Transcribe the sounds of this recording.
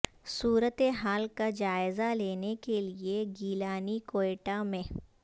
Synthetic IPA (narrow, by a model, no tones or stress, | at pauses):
suːɾət̪eɦaːlkad͡ʒaːɪzaleːnekelieɡiːlaːnikoːeːʈamẽ